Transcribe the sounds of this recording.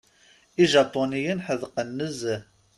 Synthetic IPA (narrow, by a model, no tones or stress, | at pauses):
iʒapːonijənħəðqənːəz